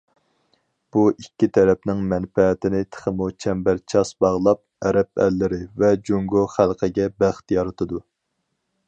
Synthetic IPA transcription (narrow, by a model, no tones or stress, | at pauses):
b̥uʔikʲːit̪ʰɛɾɛpnɪŋmɛnfɛt̪ɪnɪt̪ʰə̥χəmut͡ʃʰɛmbæɾt͡ʃʰɑsbɑʁlˠɑp̚ɛɾɛp̚ɛ̰lːɪɾɪvɛd͡ʒuŋɡoχælˠqʰəɡʲɛbæχt̪jɑɾɨt̪ʰɨd̪u